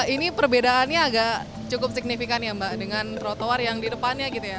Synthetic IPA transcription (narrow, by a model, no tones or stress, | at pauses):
inipərbedaːnɲaːɡaʔ | t͡ʃukʊp̚sik̚nifikanjambaʔdəŋant̪ɾot̪owarjaŋdidəpanɲaɡit̪uja